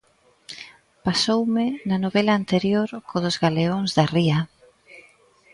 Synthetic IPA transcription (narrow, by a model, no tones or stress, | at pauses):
pasowmɪnɐnoβelaːnt̪eɾjoɾkʰoðozɣaleoŋzðɐriɐ